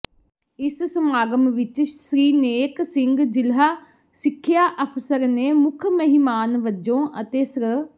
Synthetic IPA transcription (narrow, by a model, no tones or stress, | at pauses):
ɪssəmaːɡəmʋɪt͡ʃsɾiːneːksɪŋɡd͡ʒɪlɦaː | sɪkʰːɪjaːʔəpʰsəɾneːmʊkʰməɦɪmaːnʋəd͡ʒõːʔə̰t̪eːsɾ